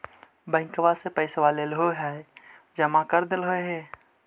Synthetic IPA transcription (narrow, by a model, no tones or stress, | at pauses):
bə̃ɪ̃ŋkʋasepəɪsʋalelɦoɦɛ | d͡ʒəmakəɾd̪ɪlɦoeɦeː